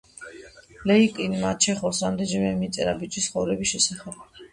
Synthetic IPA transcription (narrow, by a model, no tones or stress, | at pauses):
lɛikʼinmat͡ʃʰɛχɔsamd̪ɛd͡ʒɛmɛmit̪sʼɛɾabit͡ʃʼisχɔvɾɛbisʃɛsaχɛb̥